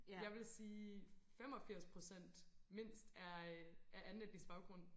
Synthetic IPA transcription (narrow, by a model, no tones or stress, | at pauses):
jɑ̈ɪʋe̝lsiːfem̰ɒ̽fiɐ̰spʰʁo̝sen̰d̥me̝n̰sd̥ææʔænled̥isb̥ɑ̈ʊɡ̥ʁɔ̽n̰